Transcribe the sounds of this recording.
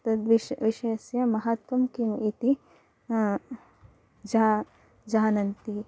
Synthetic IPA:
t̪ɐd̪ʋiʋiʃeːsjɐmɐɦɐt̪ʋɐmkimit̪i | d͡ʒaː | d͡ʒaːnɐnt̪i

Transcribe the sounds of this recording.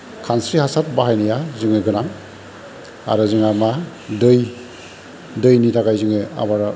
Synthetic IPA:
kʰansɾihasat̚baɦajnijazɯŋeɡɯnaŋ | a̰ɾɯzɯŋama | dɯj | dɯjnitʰaɡajzɯŋea̰baɾa

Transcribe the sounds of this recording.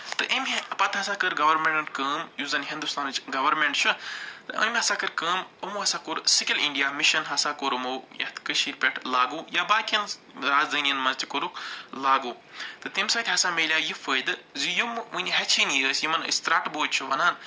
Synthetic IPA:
t̪ɨʔəmʲɐpɐt̪ʰɦɐsaːkəɾɡɐʋɐɾmẽɳʈɳʈkəːmjuːzɐnɦĩnd̪ust̪aːnt͡ʃɡɐʋɐɾmẽɳʈt͡ʃʰut̪ɨʔə̰nmʲɦɐsaːkɐɾkəːməmuːɦɐsaːkoɾsɪkʲəliɳɖijaːmiʃɐnɦɐsaːkoːɾmoːjɐ̰t̪kəʃiːɾpʲeʈʰlaːɡuːjabaːkɐnɾaːzd̪ɐːnijɐnmɐzt̪ʰikoɾulaːɡoː | t̪ɨt̪imsaːt̪ʲɦɐsaːmeːlʲjaːjifəːd̪ɨzijumunʲɦɐt͡ʃʰiːniəːsjimɐnə̰st̪ɾaːʈboːt͡ʃʰuʋɐnaːn

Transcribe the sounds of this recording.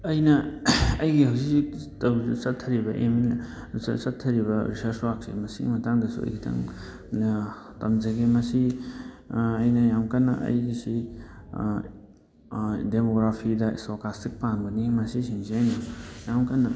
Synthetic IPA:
ɐjnɐɐjɡihawsiksitawsɐtʰːɐɾibɐʔemin | sɐtʰːɐɾiβɐɾisɐɾswak̚sḭmɐsḭmɐtaŋdɐsṵɐ̰jkʰitʰa̰ŋ | tɐmzaɡimɐsi | ɐjnɐjamkanːɐ̰ʔɐ̰jɡisi | demoɡɾapʰidɐḭsokastʰik̚panbɐnimɐsisinziajnojamkanːɐ

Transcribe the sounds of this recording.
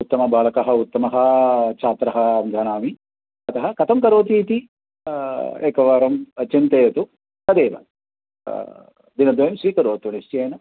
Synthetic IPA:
ut̪ːɐmɐbaːlɐkɐɦɐut̪ːɐmɐɦɐt͡ʃʰaːt̪ɾɐɦɐmd̪ʱɐːnaːmi | ɐt̪ɐɦɐkɐt̪ʰɐmkɐɾoːt̪iːt̪i | ḛːkɐʋaːɾɐmt͡ʃint̪eːjɐt̪u | ɐd̪eːʋɐ̰ | d̪inɐd̪ʋɐjɐmʃɾiːkɐɾoːt̪unist͡ʃijɐːjnɐ

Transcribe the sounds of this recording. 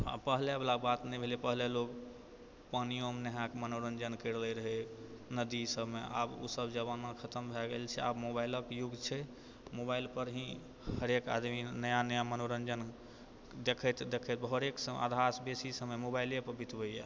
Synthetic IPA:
a̰pəɦleblaɡbat̪nɛbʱelipəɦleloɡ | pənijomneɦãkmənoɾənd͡ʒənkəɾlɛɾəɦɛnəd̪isəbmeʔa̰bṵsəbd͡ʒəβanakʰət̪əmbʱɛɡelt͡ʃʰɛa̰bmobailəkjuɡt͡ʃʰɛ | mobailpəɾɦĩ | həɾeka̰d̪minəjanəjamənoɾənd͡ʒən | d̪ekʰɛt̪d̪ekʰət̪̚bɦoɾeksəa̰d̪ʱasbesisəməmobajljepəɾbit̪bəjɛ̰

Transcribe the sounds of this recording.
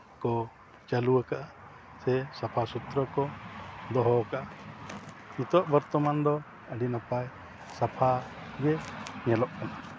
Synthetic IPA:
kɔ | t͡ʃaluwəkaʔa | sɛsapʰasut̪ɾɔkɔd̪ɔɦɔkaʔa | it̪ɔʔbɔɾt̪ɔmand̪ɔ | əɖinapaj | sapʰaɡɛɲɛlɔʔkɔna

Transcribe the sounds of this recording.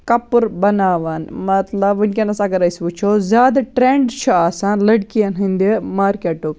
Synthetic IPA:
kɐpuɾbɐnaːʋaːnmɐt̪lɐbʋunʲkʲenɐsɐɡɐɾɐjsʋut͡ʃʰoːzʲjaːd̪ɐʈɾeɳɖt͡ʃʰuaːsaːnlɐɽkijɐnɦĩnd̪imaːɾkeːʈuk

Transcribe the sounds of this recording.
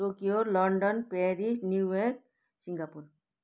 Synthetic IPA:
oːkioːɾlɔɳɖənpɛːɾisnjuʋek | sĩŋɡaːpuɾ

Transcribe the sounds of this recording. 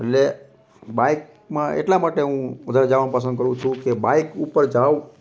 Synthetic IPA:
eʈle | baik | mãʔḛʈlamaʈeɦũʋəd̪ʱaɾed͡ʒaʋanũpəs̬ənd̪kəɾũt͡ʃʰũkebaikupəɾd͡ʒaʋ

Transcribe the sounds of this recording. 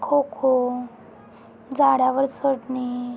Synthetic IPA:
kʰokʰo | d͡zaɽaʋəɾsəʈni

